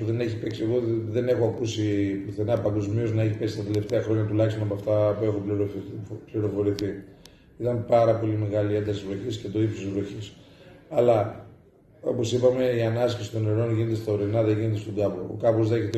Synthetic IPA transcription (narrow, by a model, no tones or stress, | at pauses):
uðe̞ne̞çipeksieɣo̞ðe̞ne̞xoɐkusipluθenɐpɐŋɡo̞zmio̞znɐe̞çipe̞sist̪ɐt̪e̞le̞ft̪eɐxɾo̞ɲɐt̪ulɐçist̪onɐp̬oɐft̪ɐpue̞xoliɾpliɾo̞fo̞ɾiθi | it̪ɐnpɐɾɐpo̞lime̞ɣɐliend̪ɐsizvlo̞çiscet̪o̞ipsot̪zvloçis | ɐlɐ | o̞̰po̞sipɐme̞iɐnɐskisi̥t̪o̞neɾo̞nʝine̞t̪est̪aoɾenɐðeʝinet̪̬est̪od̪ɐpoo̰kɐpo̞zðe̞çet̪e